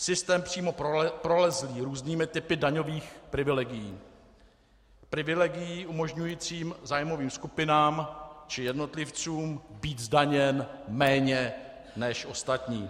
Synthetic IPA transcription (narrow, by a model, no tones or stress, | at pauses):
sɪst̪ɛːmpr̝̥iːmo̞ppɾolɛzliːɾuːzniːmɪt̪ɪpɪdaɲo̞viːxpɾɪvɪlɛɡɪjiː | pɾɪvɪlɛɡɪjiːʔumo̞ʒɲujiːt͡siːmzaːjmo̞viːmskupɪnaːmt͡ʃɪjɛdno̞t̪lɪft͡suːmbiːt̪zdaɲɛnmɛːɲɛ | nɛʃʔo̞st̪at̪ɲiː